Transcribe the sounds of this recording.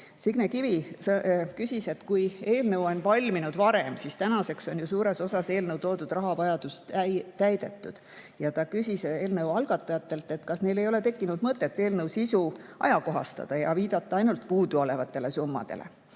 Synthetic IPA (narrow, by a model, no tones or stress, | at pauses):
siɡ̥nekivi | kysʲise̞t̪kuje̞ːlnɤwo̞nvɑlʲminud̪̥vɑɾe̞msist̪ænɑse̞kso̞nʲjusuːɾe̞so̞sɑse̞ːlnɤwt̪o̞ːd̪̥ud̪̥ɾrɑɦɑvɑjɑd̪̥ust̪æjd̪̥e̞t̪ːˑud̪̥ | jɑt̪ɑkysʲise̞ːlnɤwɑlɡ̥ɑt̪ˑːɑjɑt̪ːˑe̞lt̪ːˑe̞t̪kɑsne̞jle̞jo̞le̞t̪e̞kːinud̪̥mɤt̪ːˑe̞t̪ːe̞ːlnɤwsisuɑ̰jɑko̞ɦɑ̰st̪ɑ̰d̪̥ɑjɑ̰viːd̪̥ɑt̪ːˑɑɑjnult̪puːd̪uo̞le̞vɑt̪ˑːe̞le̞sumːɑ̰d̪̥e̞̰lḛ